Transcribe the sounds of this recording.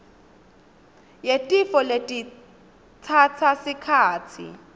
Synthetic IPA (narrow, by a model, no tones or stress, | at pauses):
jetʼifɔletʼi | t͡sʰat͡sʰasikʰaːt͡sʰḭ